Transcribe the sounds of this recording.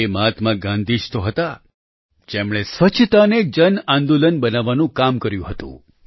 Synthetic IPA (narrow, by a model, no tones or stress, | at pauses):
eməɦat̪mãɡãnd̪ʱid͡ʒt̪oɦət̪a | d͡ʒemɽ̃esʋət͡ʃʰt̪aned͡ʒənãnd̪olənbənaʋːanũkamkəɾjṵ̃ɦət̪ṵ̃